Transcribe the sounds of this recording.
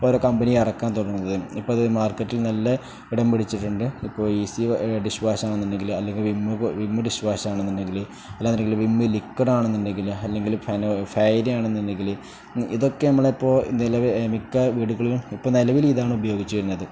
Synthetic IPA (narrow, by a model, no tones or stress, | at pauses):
poːoɾokɐmbɐnijɐrɐkːaːnt̪oɽɐrunːɐðɨipːoːðmaːrkːɐtːilnɐlːɐ | iɽɐmpiɽit͡ɕːiʈːuɳɖɨipːo̞ːiːsiɖiɕʋaːsaːɳenːinɖe̞ŋɡilɐlːe̞ŋɡilʋimːɨʋimːɨɖiɕʋaːsaːɳenːinːde̞ŋɡil | ɐlaːnineŋɡiluʋimːɨlikːɐɽaːɳenːinɖe̞ŋɡilɐlːe̞ŋɡilufɐnfɐjɾijaːɳenːinde̞ŋɡil | ḭðokːe̞nɐmːɐɭeipːo̞ːnilɐʋemikːɐʋiːɽuɣɐɭilumipːoːnilɐʋiliðaːɳɨubɐjo̞ːɡit͡ɕːuʋɐɾunːɐðɨ